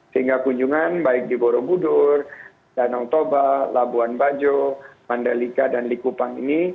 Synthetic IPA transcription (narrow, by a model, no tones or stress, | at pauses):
səiŋɡakuɲd͡ʒuŋanbaɪk̚diboɾobudʊr | danaŋt̪obalabuanbad͡ʒomandalikadanlikupaŋḭni